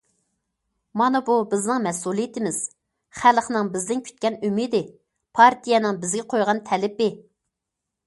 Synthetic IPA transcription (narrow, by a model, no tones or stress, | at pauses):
mɑnɑbubɪznɪŋmɛsulˠijit̪ʰɪmɪz̥ | χælχnɨŋbɪzd̪ɪnkʲʰy̥t̪̚kʲɛnymid̪ɪ | pʰɑɾt̪ʰijɛnɨŋbɪzɡʲɛqʰojʁɑnt̪ʰɛlɪpɪ